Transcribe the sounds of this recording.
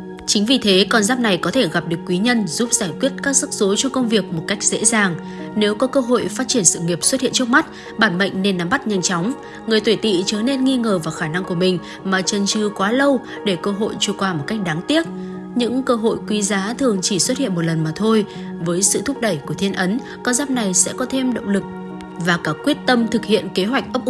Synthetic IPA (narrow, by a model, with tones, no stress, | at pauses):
t͡ɕï˨˦ŋ̟vi˨˩t̪ʰe˨˦kɔ˧nzaː˦˥p̚na˨˩jkɔ˨˦t̪ʰe˧˩ɣa˨˩p̚ɗɨ˨˩əkːwi˨˦ɲə˧nzu˦˥p̚zaː˧˩jkwi˦˥ət̚kaː˦˥k̚zɨ˦˥k̚z̥o˨˦jt͡ɕɔ˧kə˧wŋ͡mvi˨˩ək̚mo˨˩t̚ka˦˥jk̚z̥ḛ˧˥zaː˨˩ŋ | ne˨˦wkɔ˨˦kəː˧ɦo̰˧˨jfaː˦˥t̚t͡ɕi˧˩ənsɨ̰˧˨ŋi˨˩əp̚swə˦˥t̚hḭ˧ənt͡ɕɨ˦˥ək̚ma˦˥t̚ | ɓaː˧˩nmə̰˧˨ŋ̟ne˧nːa˨˦mɓa˦˥t̚ɲa˧jnt͡ɕɔ˨˦wŋ͡m | ŋɨ˨˩əjt̪wi˧˩jt̪ḭ˧˨t͡ɕəː˨˩˦ne˧nŋi˧ŋəː˨˩vaː˨˩wxaː˧˩na˧ŋku˧˩əmï˨˩ŋ̟ | maː˨˩t͡ɕə˨˩nt͡ɕɨ˨˩kwaː˨˦lə˧w | ɗe˧˩kəː˧ɦo̰˧˨jt͡ɕu˧˩kwaː˧˩mo˨˩t̚ka˦˥jk̟̚ɗaː˨˦ŋt̪i˦˥ət̚ | ɲɨ̰˧˥ŋkəː˧ɦo̰˧˨jkwi˨˦zaː˨˦t̪ʰɨ˨˩əŋt͡ɕi˧˩swə˦˥t̚hḭ˧˨ənmo˨˩t̚lə˨˩nmaː˨˩t̪ʰo˧j | vəː˨˦jsɨ̰˧˨t̪ʰʊ˦˥k͡p̚ɗə˧˩jku˧˩ət̪ʰi˧ənʔə˨˦n | kaː˧wzaː˦˥p̚na˨˩jsɛ̰˧˥kɔ˨˦t̪ʰe˧mɗə̰˧˨wŋ͡mlɨ˨˩k̚ | vaː˨˩kaː˧˩kwi˦˥ət̚t̪ə˧mt̪ʰɨ˨˩k̚hḭ˧˨ənke˨˦ɦwa˨˩jk̟̚ʔə˦˥wk͡p̚ʔ